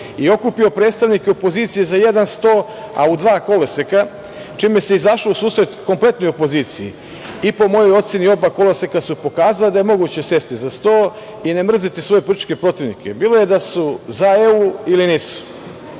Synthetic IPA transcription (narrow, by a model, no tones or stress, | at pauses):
io̞kupio̞pɾe̞ːd̪st̪aʋnikeopo̞ziːt̪sijezaje̞d̪anst̪o̞ː | a̰ud̪ʋaːko̞leseka | t͡ʃiːmjeseizaʃlousuːsɾet̪ko̞mple̞t̪no̞jopo̞ziːt̪sijḭ | ipo̞mo̞jo̞jo̞t̪sinio̞bako̞lesekasupo̞kaːzaled̪ajemo̞ɡuːt͡ɕe̞se̞st̪izast̪o̞ː | ine̞mr̩zit̪isʋo̞je̞pɾut̪i̥t͡ʃke̞pɾo̞t̪iʋnḭkebiːloje̞d̪asuzae̞uiliniːsu̥